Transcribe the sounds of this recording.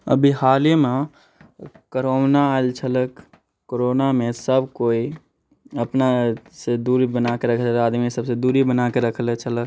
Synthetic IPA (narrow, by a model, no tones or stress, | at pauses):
ə̰bʱihaːlime | kəɾonaelt͡ʃʰələk | koɾoːnamẽsəbkoːi | əpnased̪uːɾibənakeɾəkʰəaːd̪miesəbsed̪uːɾibənakeɾəkʰlet͡ʃʰələk